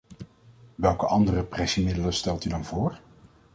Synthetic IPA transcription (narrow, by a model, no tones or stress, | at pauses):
ʋɛlˠkəʔɑndərəprɛsimɪdələstɛlˠtydɑnvʊːɹ